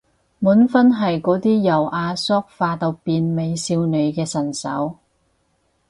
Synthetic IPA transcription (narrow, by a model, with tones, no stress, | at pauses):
muː˨˥nfɐ˥nɦɐ˨jkɔː˨˥t̪iː˥jɐ˨˩wʔaː˧sɔː˥k̚faː˧t̪ɐ˨˧wpiː˨˧nme˨˧jsiː˧wne˨˧ɥkɛː˧sɐ˨˩nsɐ̰˨˥w